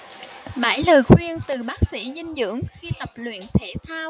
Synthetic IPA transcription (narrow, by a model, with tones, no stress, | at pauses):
ɓa̰ː˧˥˩jləː˨˩jxwi˧ənt̪ɨ˨˩ɓaː˦˥k̚sḭ˧˥zï˧nzɨ̰˧˥əŋxi˧t̪ə˨˩p̚lwḭ˧˨nt̪ʰe˧˩˦t̪ʰaː˧w